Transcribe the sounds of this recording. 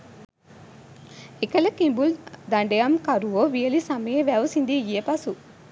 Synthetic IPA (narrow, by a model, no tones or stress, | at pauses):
ekɐlɐkimbuld̪ɐɳɖejɐmkɐɾuʋoːʋijelisɐmɐjeʋæʋɐsind̪iijepɐsu